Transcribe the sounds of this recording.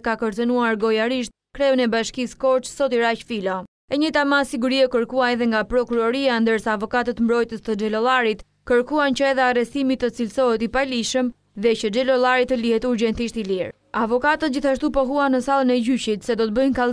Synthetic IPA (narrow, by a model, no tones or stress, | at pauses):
kakəɾt͡sənuaɾɡɔjaɾiʃt̪̚ | kɾɛɔnɛbaʃkiskɔɾt͡ʃsɔt̪iɾacfilɔ | ɛɲət̪amasiɡuɾiakəɾkuaɛðɛŋɡapɾɔkuɾɔɾiand̪əɾsaːvɔkat̪ət̪mbɾɔjt̪əst̪əd͡ʒɛlɔlaɾit̪ | kəɾkuant͡ɕəɛðɛarɛst̪imit̪ːət͡silsɔɦɛt̪ipaliʃəm | ðɛcəd͡ʒɛlɔlˠaɾit̪ːəlihɛt̪uɾɟɛnt̪iʃt̪iliɾ | avɔkat̪ət̪̚d͡ʑiθaʃt̪upɔɦuanəsalˠənɛɟycit̪sɛd̪ɔt̪əbənkal